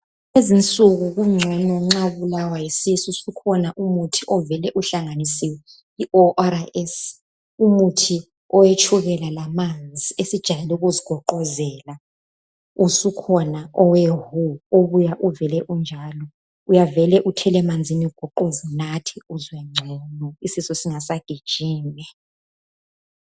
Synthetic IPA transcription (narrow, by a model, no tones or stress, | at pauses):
ezint͡sʼuɣuɣuŋ͡ǀʱɔnɔŋ͡ǁaβulawajisisusukʰɔnaʔumutʰiʔɔvɛlɛʔuɬaŋanisiwɛ | iʔɔʔaɾaʔɛs | umutʰi | ɔwet͡ʃʰuβɛlalamand͡zd͡zʱiesid̥ʒ̥ʱajɛluɣuziɡ̥ʱɔǃɔzɛla | usukʰɔnaʔɔwɛɦuoβujaʔuvɛlɛʔund͡ʒʱalɔ | ujavɛlɛʔutʰɛlɛmand͡zʱiniuɡ̥ʱɔǃozunatʰiuzwɛŋ͡ǀʱɔnɔisisɔsiŋasaɡ̥ʱid̥ʒ̥ʱiːnɛ